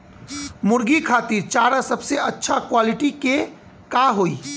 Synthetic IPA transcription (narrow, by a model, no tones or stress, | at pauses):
mʊɾɡikʰaːt̪iɾt͡ʃaːɾasəbseɐtːʃʰakwaːlɪʈike | kaɦoːi